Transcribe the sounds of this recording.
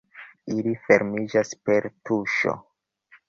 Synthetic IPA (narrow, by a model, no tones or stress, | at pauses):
ilife̞ɾmid͡ʒaspe̞ɾtuʃo̰